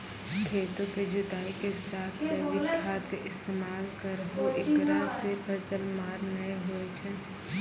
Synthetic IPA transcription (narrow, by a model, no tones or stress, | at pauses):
kʰeːt̪õked͡ʒʊt̪aːikesaːt̪ʰseʋɪkʰaːt̪keʔɪst̪eːmaːlkəɾɦoɪkɾasepʰɐsəlmaːɾnəeɦoet͡ʃʰɛː